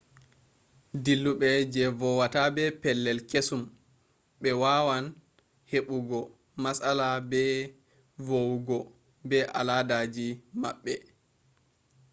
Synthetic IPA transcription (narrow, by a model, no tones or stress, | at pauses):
dilːuɓɛd͡ʒɛvɔwatabɛpɛlːɛlkesum | ɓɛwaːwan | heɓuɡɔ | masalabɛ | vowɡɔ | bɛʔa̰ladad͡ʒima̰ɓːɛ